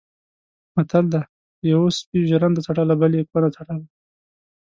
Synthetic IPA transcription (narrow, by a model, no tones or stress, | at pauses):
mat̪ald̪a | jawospiʒaɾand̪ət͡saʈalabalekwanat͡saʈad̪a